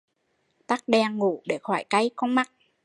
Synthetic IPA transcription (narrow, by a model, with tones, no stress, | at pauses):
t̪a˦˥k̚ɗɛ˧ŋŋu˧˩ɗe˧˩xɔ˧˩jka˧jkɔ˧ŋ͡mma˨˥t̚